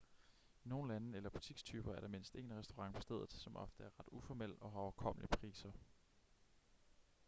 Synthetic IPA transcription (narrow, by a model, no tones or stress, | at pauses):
ino̝ːn̩lænəelɐb̥ut͡sʰiɡ̥st͡sʰyːb̥ɐæɐɾ̥ɑ̈me̝n̰sd̥e̝̰ːnʁɛsd̥o̝ʁɑ̈ŋpʰɒ̽sd̥eð̞̰ˠð̩ˠsɒ̽mʔɒ̽fd̥əæɐʁɑ̈d̥ufɒmel̰ɒ̽ɦɑɒkʰɒ̽m̰əlipʰʁḭːsɐ